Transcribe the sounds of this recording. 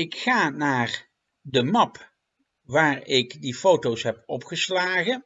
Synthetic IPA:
ɪkχaːnaːr | dəmɑp | ʋaːrɪkdifowtowsɦɛpɔpχəslaːχə

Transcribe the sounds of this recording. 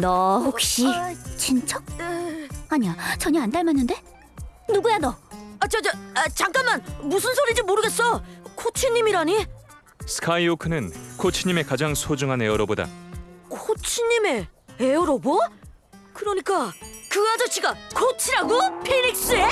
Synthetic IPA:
nʌhok̚ɕ͈it͡ɕint͡ɕ͈ʌ | aɲiat͡ɕʌɲʌantdaɭmanːɯnde̞ | nuɡujanʌat͡ɕʰʌd͡ʑat͡ɕaŋk͈anmanmusʰɯnsʰoɾid͡ʑimoɾɯɡe̞s͈ʌkʰot͡ɕʰiɲːimiɾaɲi | sʰɯ̥kʰaiokʰɯnɯnkʰot͡ɕʰiɲːime̞kad͡ʑaŋsʰod͡ʑuŋɦane̞ʌɾoboda̰kʰot͡ɕʰiɲːime̞eʌɾobo | kɯɾʌɲik͈akɯad͡ʑʌt͡ɕʰiɡakʰot͡ɕʰiɾaɡopʰeɾik̚s͈ɯe

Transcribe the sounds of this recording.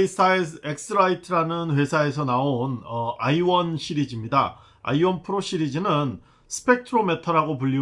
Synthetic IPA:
sʰaeek̚sʰɯɾaitʰɯɾanɯnɸe̞sʰae̞sʰʌnaonʌaiwʌnɕʰiɾid͡ʑimɲida | a̰iwʌnpʰɯɾoɕʰiɾid͡ʑinɯn | sʰɯ̥pʰe̞k̚tʰɯɾometʰʌɾɦaɡopuʎːi

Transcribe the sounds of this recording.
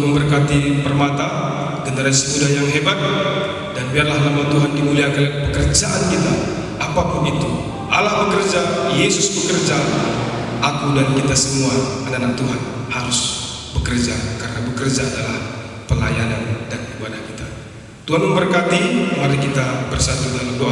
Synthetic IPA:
məmbərkat̪ipərmat̪a | ɡənəɾasimudahjaŋɦebat̪̚ | danbiarlahlamat̪uɦandimuliakəpəkərd͡ʒaʔankit̪a | apapuɡit̪u | ʔalahbəkərd͡ʒajesʊsbəkərd͡ʒa | akudankit̪asəmuaananat̪uɦanhaɾʊs | bəkərd͡ʒakaɾənabəkərd͡ʒaːdalah | pəlajanandanibadahkit̪a | t̪uɦanməmbərkat̪imaɾikit̪abərsat̪uɡalado

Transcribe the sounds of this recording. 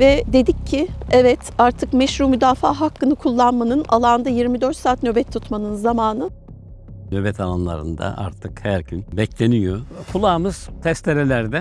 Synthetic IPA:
vɛd̪e̞d̪icʰːɪɛvɛt̪aɾt̪ʰɯkmɛʃɾuːmyd̪aːfaːɦakːɯnɯkʰulˠːanmanɯnalˠand̪ajiɾmid̪øɾt̪saːt̪nø̞bɛt̪ʰːut̪manɯnzamaːnɯ | nøbɛt̪ʰalˠanlˠa̰ɾɯ̰nd̪a̰ʔa̰ɾt̪ʰɯkhæɾɟynbɛclʲenijokʰulˠaːmɯz̥t̪ʰɛst̪ʲeɾelʲæɾd̪ɛ

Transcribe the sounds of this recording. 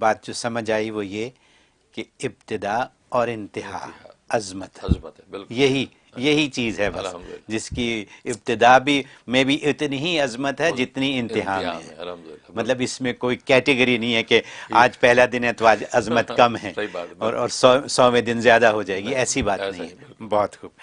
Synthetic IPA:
baːt̪̚d͡ʒosɐməd͡ʒaːiʋoje | keɪb̚t̪ɪd̪a | ɔːɾɪ̃nt̪ɪɦa̰ːɐzmət̪ | jɐɦi | jɐɦit͡ʃiːzɦɛbɐsd͡ʒɪskiɪb̚t̪ɪd̪abʱimẽbʱiʔɪt̪nɦiɐzmət̪ɦɛd͡ʒɪt̪niɪ̃nt̪ɪɦaːmːɦɛ̰̃ːmɐt̪ləbɪsmẽkoːikɛːʈɪɡəɾinɐɦĩɦɛkeaːd͡ʒpɛɦlad̪ɪnẽt̪ʋaːd͡ʒɐzmət̪kɐmɦɛ̃ːɔːɾʔɔːɾsɔsɔːmẽd̪ɪnzjaːd̪aɦod͡ʒaːeːɡiɛːsibaːt̪ːnɐɦĩɦɛ̃bɔːt̪xuːb

